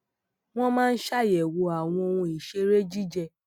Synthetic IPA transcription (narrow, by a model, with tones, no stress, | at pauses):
w̃ɔ̃˦mãː˦˧n̩˦ʃa˦˨jɛ˨wo˧a˨w̃ɔ̃˧o˧wũ˧i˨ʃe˧ɾe˦d͡ʒi˦d͡ʒɛ˧